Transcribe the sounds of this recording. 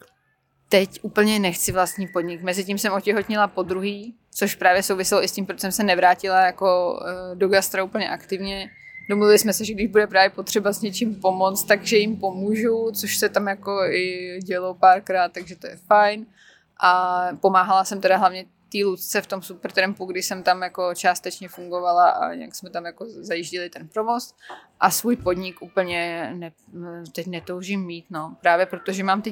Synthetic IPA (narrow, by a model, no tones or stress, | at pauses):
t̪ɛcʔuːpl̩ɲɛnɛxt͡sɪvlast̪ɲiːpo̞dɲɪkmɛzɪcimsɛmʔocɛɦo̞t̪ɲɪlapo̞d̪ɾuɦiː | t͡so̞ʃpɾaːvjɛsowvɪsɪloʔɪscʲimpɾot̪os̬ɛmsɛnɛvɾaːcɪlajako̞doɡast̪ɾauːpl̩ɲɛʔakt̪ɪvɲɛ | domluvɪlɪsmɛsɛʒɛɡdɪʒbudɛpɾaːvjɛpo̞t̪r̥ɛbazɲɛt͡ʃɪmpo̞mo̞t͡st̪t̪aɡʒɛjɪmpo̞muːʒut͡soʃsɛt̪amjako̞ɪɟɛlopaːɾkɾaːt̪̚ːaɡʒɛt̪ojɛfajn | ʔapo̞maːɦalasɛmt̪ɛdaɦlavɲɛ | t̪iːlut͡st͡sɛft̪o̞msupɛɾt̪ɾɛmpuɡdɪʃsɛmt̪amjako̞t͡ʃaːst̪ɛt͡ʃɲɛfuŋɡo̞valaʔa̰ɲɛ̰ja̰ksmɛt̪amjako̞zajiʒcɪlɪt̪ɛnpɾovosʔasvuːjpo̞d̪ɲɪkʔuːpl̩ɲɛnɛ | t̪ɛcnɛt̪owʒimːiːt̪no̞pɾaːvjɛpɾot̪oʒɛmaːmt̪ɛ